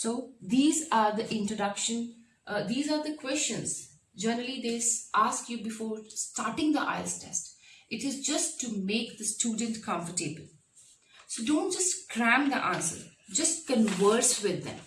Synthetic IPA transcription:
soːd̪iːzaːɾd̪əʔɪ̃nʈɾoɖʌkʃə̃n | d̪iːzaːɾd̪əkwɛst͡ʃə̃nz | d͡ʒɛnəɾəlid̪eːsʔaːskjubɪfoːɾsʈaːɾʈɪ̃ŋd̪ə̰ʔa̰ɪsʈʰɛ̰stʔɪʈɪzd͡ʒʌsʈːumeːkd̪əsʈʰjuːɖə̃nʈkʰʌ̃ɱfəʈeːbəl | soːɖõːnʈ̚d͡ʒʌsʈkɾæ̃md̪əʔã̰ːnsə̰ɾd͡ʒʌsʈ̚kə̃nʋəɾsʋɪd̪ːɛ̰̃m

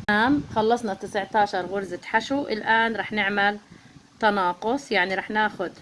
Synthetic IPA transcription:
aːmxɑlːɑsˤnɑt̪ɪsʕt̪aːʃɑɾˤɣʊɾzɪt̪ħaʃuʔɪ̰lʔaːnɾˤɑːħnɪʕmalt̪ɑnɑːqʊsˤjaʕniɾɑːħnaːxʊd̪

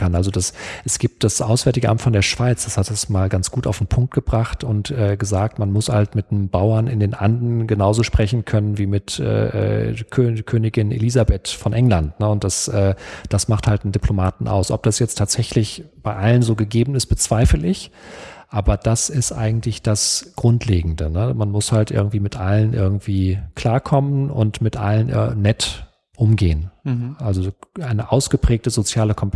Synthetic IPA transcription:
anʔalzodasʔɛsɡ̥iːp̚t̚d̥asʔaʊsv̥ɛːɐtɪɡəʔa̰mtfɔndeːɐʃv̥aɪt͡sd̥ashat̚d̥asmaːlɡant͡sɡ̥uːta̰ʊfdn̩pʰʊŋk̚t̚ɡ̥əbʁaχtʊntʔɛːɡəzaːk̚tmanmʊsha̰ltmɪtnəmbaʊɐnɪndeːnʔandn̩ɡənaʊzoːʃpʁ̥ɛçn̩kʰœnənviːmɪtʔɛ̰ːʔɛ̰ːkʰøːkʰøːnɪɡɪnḛliːzabetfɔnʔɛŋlantnəʊnt̚d̥asʔɛːd̥asmaχthaltdɪndipʰlomaːtn̩ʔa̰ʊsʔɔp̚d̥asjɛt͡stʰaːtz̥ɛçlɪçb̥aɪʔalənzoːɡəɡeːbm̩ɪst̚b̥ət͡sv̥aɪfəlɪç | ʔaːbɐd̥asɪstʔa̰ɪɡŋ̩tlɪçd̥asɡ̥ʁʊntʰleːɡŋ̩dənəmanmʊshaltʔɪ̰ɐɡŋ̩tv̥iːmɪtʔalənʔɪ̰ɐɡŋ̩tv̥iːkʰl̥aːɐkʰɔmənʔʊ̰ntmɪtʔa̰lənʔnːɛt | ʔʊmɡeːənʔalzoʔaɪnəʔaʊsɡ̥əpʁ̥ɛːk̚təzot͡sjaːləkʰɔmp

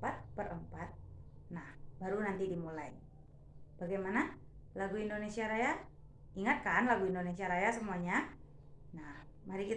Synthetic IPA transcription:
pat̪̚bəɾʔəmpat̪̚nahbaɾunant̪idimulai | b̥aɡajmana | laɡuindonesiaɾaja | iŋat̪̚kanlaɡuindonesiaɾajasəmuaɲa | nah | maɾikit̪

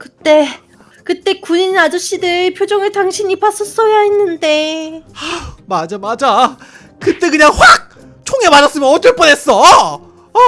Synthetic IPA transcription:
kɯt͈e̞ | kɯt͈e̞kuɲinad͡ʑoɕ͈idɯɭpʰjod͡ʑoŋɯɭtaŋɕʰiɲipas͈ʌs͈ʌjaɦenːɯnde̞amad͡ʑamad͡ʑa | kɯt͈e̞k̬ɯɲaŋɸwak̚ | t͡ɕʰoŋe̞manas͈ɯmjʌnʌt͈ɯɭp͈ʌnɦe̞s͈ʌ

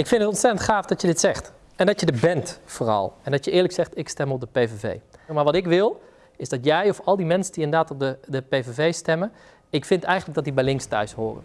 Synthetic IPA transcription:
ɪkfɪntətɔnsɛtəntχaːfdɑtjədɪtsɛχt | ɛndɑtjədəɹbɛntfoːrɑ̰lˠɛndɑtjəɪːɹləksɛχtɪkstɛmɔp̚dəpejvevḛjmaɹʋɑtɪkʋɪlˠ | ɪzdɑtjɛjɔfɑlˠdimɛnsəndiɪndədaːtɔp̚dədəpejvevejstɛmən | ɪkfɪntɛjχənləɡ̚dɑt̚dibɛjlɪŋkstœ̰ɥshoːrə̰n

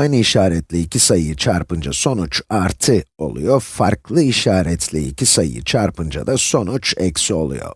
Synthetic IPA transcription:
ajnɯiʃaːɾɛt̪lʲiicʲʰisajjɯt͡ʃʰaɾpɯnd͡ʒa̰so̞nut͡ʃaɾt̪ʰɯo̞̰lˠṵjo̞faɾklˠɯiʃaːɾɛt̪ʰlʲiḭcʰʲisaj̰jḭt͡ʃʰaɾpɯnd͡ʒa̰d̪aso̞nut͡ʃekʲsio̞̰lˠṵjo̞̰

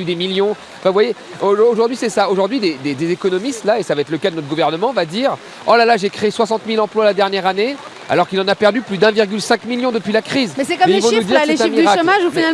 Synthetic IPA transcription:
yd̪emiljɔ̃ | ɑ̃fɛ̃vwaje | ooʒuʁd̪ɥisɛsaoʒuʁd̪ɥid̪ed̪ed̪ezekɔnɔmist̪laesavaɛt̪ləkad̪ənɔt̪χəɡuvɛʁnəmɑ̃vad̪iʁ | ɔ̰lalaʒekχeːswasɑ̃t̪milɑ̃plwalad̪ɛʁnjɛʁane | a̰lɔʁkilɑ̃napɛʁd̪yplyd̪ɛ̃viʁɡʲylsɛ̃kmiljɔ̃d̪əpɥilakχizmɛsɛkɔmɛilfõud̪iʁlɛt̪ɛ̃mid̪yʁaʃkomaʒufinal

